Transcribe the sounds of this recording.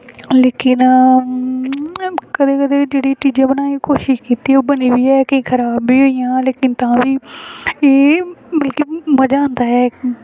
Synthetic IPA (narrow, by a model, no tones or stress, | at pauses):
leːkɪn | kəd̪eːkəd̪eːd͡ʒeːɽiːt͡ʃiːd͡ʒãːbənãːikoːʃɪʃkiːt̪iːɛoːbəniːbiːɛːkə̃ĩːkʰəɾaːbiːɦoːijãːleːkɪnt̪ãːbiːeːbəlkiməd͡ʒãːnd̪aːɦɛː